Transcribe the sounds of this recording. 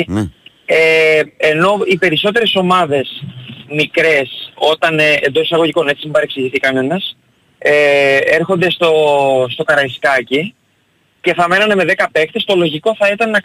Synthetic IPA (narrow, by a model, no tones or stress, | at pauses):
eeno̞ipe̞ɾiso̞t̪e̞ɾe̞so̞mɐðe̞smikɾe̞so̞t̪ɐneend̪o̞si̥sɐɣo̞ʝiko̞ne̞t͡siebɐɾeksiʝiθikɐnenɐs | ee̞ɾxo̞nd̪e̞st̪o̞st̪o̞kɐɾɐiskɐci | ce̞θɐme̞nɐneme̞ðe̞kɐpe̞kt̪e̞st̪o̞lo̞ʝiko̞θɐit̪ɐneɐ